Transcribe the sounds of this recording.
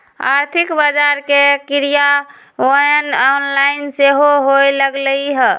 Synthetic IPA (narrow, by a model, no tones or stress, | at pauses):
a̰ɾt̪ʰikbad͡ʒaɾkekiɾija | əjnɔnlaɪnseɦoɦojləɡləjɦə